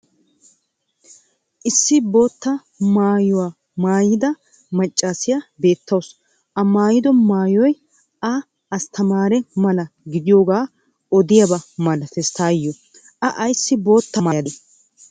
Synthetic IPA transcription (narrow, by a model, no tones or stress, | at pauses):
ʔɪsːɪbo̞ːt̪ːɐ | maːjʊwaː | maːjɪd̪ɐ | mɐt͡ʃʼːasɪjabe̞ːt̪ʰːɐws | ʔɐmaːjɪd̪ɔmaːjɔj | ʔɐː | st̪ɐmaːɾɛmɐlɐɡɪd̪ɪjo̞ːɡaː | ɔd̪ɪjɐbɐmɐlɐfɛst̪aːjːɔ | ʔɐʔɐjsːɪbo̞ːt̪ːɐmaːjɐd̪ɛ